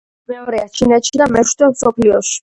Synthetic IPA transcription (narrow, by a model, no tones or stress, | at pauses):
mɛɔɾɛat͡ʃʰinɛt̪ʃid̪amɛʃd̪ɔmsɔpʰliɔʃi̥